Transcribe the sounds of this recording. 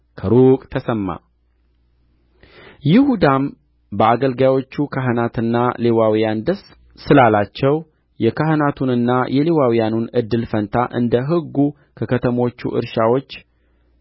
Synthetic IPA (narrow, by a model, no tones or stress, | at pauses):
kʰəɾukʼt̪ʰəsəmːa̰ | jɪhud̪am | bəaɡəlɡajwo̞t͡ʃːukʰaɦɨnat̪ɨnːalewawijand̪əs | sɨlalat͡ʃːɛw | jɛkʰaɦɨnat̪ʰunɨnːajɛlewawijanunɨd̪ːɨlfənt̪ʰaʔɨ̰nd̪əɦɨɡːu | kʰəkʰət̪ʰəmo̞t͡ʃːṵʔɨ̰ɾʃawo̞t͡ʃː